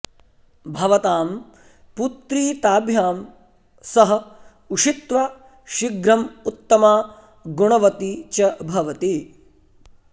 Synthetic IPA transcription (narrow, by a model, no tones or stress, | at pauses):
bʱɐʋɐt̪aːm | put̪ɾiːt̪aːbʱjaːm | sɐɦɐ̆ | uʂit̪ʋa | ʃiɡɾɐmut̪ːɐmaː | ɡuɳɐʋɐt̪it͡ʃɐbʱɐʋɐt̪i